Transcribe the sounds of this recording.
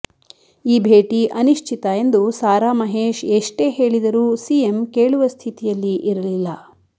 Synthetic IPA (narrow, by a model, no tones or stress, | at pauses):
iːbʱe̞ːʈiʔɐniʂt͡ʃʰit̪ɐe̞nd̪usaːɾaːmɐɦeːʃeʂʈe̞ːɦe̞ːɭid̪ɐɾuːsijemkeːɭuʋɐst̪ʰit̪ijɐlːiʔiɾɐlilːɐ